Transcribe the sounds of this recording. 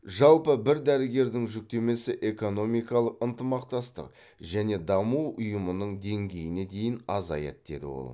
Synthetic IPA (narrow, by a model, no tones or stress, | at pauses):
ʒɑlˠpəbɪɾd̪æɾɪɡʲe̞ɾd̪ɪŋʒʏk̚t̪e̞me̞sɪʔe̞ko̞no̞mijkɑlˠəqənt̪əmɑqt̪ɑst̪ə̰q | ʒæne̞d̪ɑmuwʊjəmənəɴd̪e̞ŋɡʲe̞jɪne̞d̪e̞jɪnɑ̰zɑ̰jḛt̪̚d̪̥e̞̰d̪ɪ̰wo̞̰lˠ